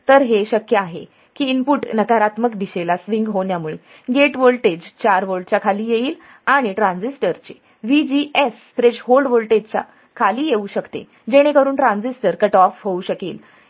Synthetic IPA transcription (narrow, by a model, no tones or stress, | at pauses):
t̪əɾɦeɕəkjəaɦḛ | kiːmpuʈnəkaɾat̪məkd̪iɕelasʋiŋɡɦoɳjamuɭe | ɡeʈʋolʈed͡ʑt͡ɕaɾʋolɖt͡ɕakʰaliːjeiːl | aɽ̃iʈɾãnd͡zisʈəɾt͡ɕe | ʋid͡ʑiʔesfɾeɕɦolɖʋolʈed͡ʑt͡ɕa̰ | kʰaliːjeuɕəkt̪ḛ | d͡ʑeɽ̃ekəɾuːnʈɾãnd͡zisʈəɾkəʈɔfɦouɕəkḭːl